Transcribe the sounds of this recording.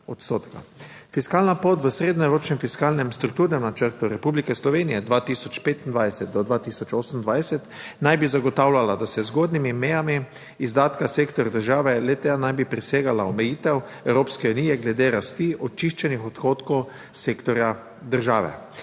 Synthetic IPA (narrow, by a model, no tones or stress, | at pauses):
ɔt̪st̪o̰ːt̪ka̰fiskaːlnapoːt̪ʋəsɾeːd̪nɔɾoːt͡ʃnɛmfiskalnɛmst̪ɾuk̚t̪uɾnɛmnat͡ʃəɾt̪uɾɛpublikɛslɔʋeːnijɛd̪ʋat̪isɔt͡ʃpeːt̪ind̪ʋajsɛt̪̚d̪ɔd̪ʋaːt̪isɔt͡ʃoːsənnd̪ʋajsɛt̪najbizaɡɔt̪awlʲalad̪asɛzɡoːd̪nimimɛjamiː | zd̪aːt̪kaseːkt̪ɔɾd̪əɾʒaːʋɛlɛt̪ɛjanajbipɾiseːɡalaɔmɛjiːt̪ɛw | ɛwɾoːpskɛuniːjɛɡlɛd̪eɾast̪iɔt̪̚t͡ʃiʃt͡ʃɛnixɔt̪xoːt̪kɔw | sekt̪ɔɾja | d̪əɾʒaːʋɛ̰